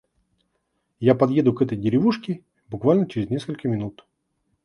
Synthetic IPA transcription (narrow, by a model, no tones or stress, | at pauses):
japɐd̪je̞d̪ʊkɛt̪əjdʲɪɾʲɪvuʂkʲɪ | bʊkvalʲnət͡ɕɪɾʲɪzʲnʲe̞skəlʲkəmʲɪnut̪